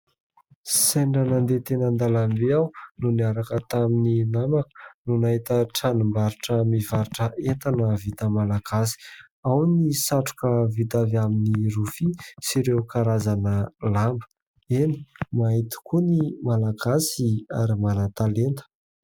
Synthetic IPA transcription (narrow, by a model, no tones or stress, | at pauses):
seɳɖ͡ʐanand̪et̪enənd̪alambeawnuniaɾakət̪amininamakə̥nunaɦit̪əʈ͡ʂanumbaɾiʈ͡ʂəmivaɾiʈ͡ʂəʔet̪anəvit̪əmalaɡasi̥ | awnisaʈ͡ʂu̥kəvit̪avaminiɾufisiɾewkaɾazanəlambə | enimaɦit̪u̥kunimalaɡasia̰ɾimanat̪alent̪ə̥